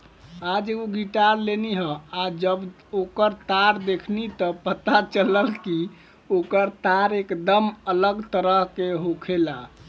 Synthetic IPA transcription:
ad͡ʒoɡiʈaɾleniɦɔ̃ad͡ʒəb | okəɾt̪aɾd̪ekʰnit̪ɔpət̪at͡ʃələlki | okəɾt̪aɾekd̪əmələɡt̪əɾəɦkeɦokʰela

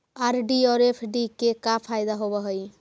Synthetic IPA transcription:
aɾɖiʌɾepʰɖikekapʰajd̪aɦoβʌɦəj

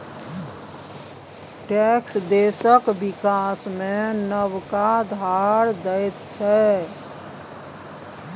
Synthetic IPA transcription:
ʈɛksd̪esəkbɪkasmẽnəʋkad̪ʱaɾd̪əjt̪t͡ʃʰɛ

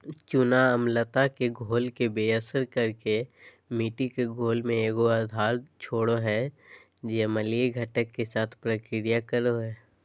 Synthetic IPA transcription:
t͡ʃʊnaəmlət̪akeɡʱoːlkebeːəsəɾkəɾke | miːʈikeɡʱoːlmẽeːɡoad̪ʱaːɾt͡ʃʰoːɽoɦɛ | d͡ʒeməlieɡʱəʈəkːesaːt̪ʰpɾəkɪɾijakəɾoɦɛː

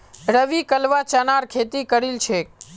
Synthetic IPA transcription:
ɾəʋikəlʋat͡ʃanaɾkʰet̪ikəɾilt͡ʃʰe

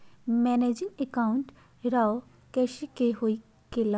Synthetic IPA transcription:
mɛːned͡ʒĩŋɡekaʊɳʈ | ɾao | kɛʃikeɦoi | kela

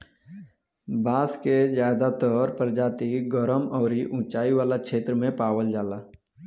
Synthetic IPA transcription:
baːskezjaːd̪at̪ɔːɾpəɾd͡ʒaːt̪iɡəɾəmɔːɾiʔũːt͡ʃaːiwaːlakʰʃʰeːt̪ɾəmẽpaːwəld͡ʒaːlaː

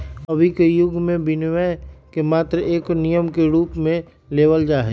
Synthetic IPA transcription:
ɐbʱikejʊɡʱmẽbɪnʋəkemaːt̪ɾəʔeːknijəmkeɾuːpmẽ | leːʋəld͡ʒaːɦe

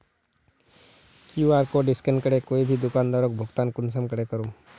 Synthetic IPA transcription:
kjuaːɾkoɖɪskə̃nɖkəɽekoːibʱid̪ʊkaːnd̪aːɾək̚bʱʊɡt̪aːnkʊns̬əmkəɽekɐɾoː

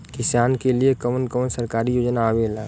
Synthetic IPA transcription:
kɪsaːnkeliekəmənkəmənsəɾkaːɾijoːd͡ʒnaʋelaː

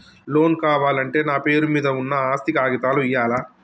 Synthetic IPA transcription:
lo̞ːnkaːʋaːlɐɳʈe̞ːnaːpe̞ːɾumiːd̪ɐunːɐaːst̪ikaːɡit̪aːluijaːlaː

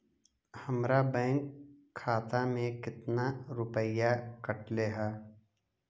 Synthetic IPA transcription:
həmɾabɛ̃ːŋkʰːaːt̪amẽkɪt̪naɾʊpəjakəʈʰleːɦaː

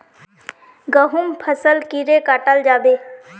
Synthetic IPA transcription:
ɡəɦumpʰəsəlkiːɾeːkaːʈəld͡ʒaːbeː

